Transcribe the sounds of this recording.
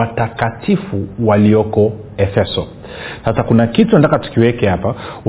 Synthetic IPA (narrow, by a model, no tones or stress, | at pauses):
atakatifuwaliɔkɔ | ɛfɛsɔ | sasakunakitunantakatu̥kiwɛkɛhapaw